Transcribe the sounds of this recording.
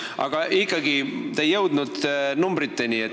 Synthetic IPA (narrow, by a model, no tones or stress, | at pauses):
ʔɑ̰ɡ̥ɑʔikːɑɡit̪ejːɤwd̪nud̪̥numbɾit̪ːenie